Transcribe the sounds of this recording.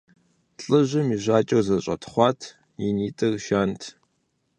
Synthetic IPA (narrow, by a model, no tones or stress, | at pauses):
ɬʼɨʑɪmiʑʷaːt͡ʃʼɐwzɐɕʷʼɐ̰tʰχʷɑːtʰ | iniːtʼɨrʃaːntʰ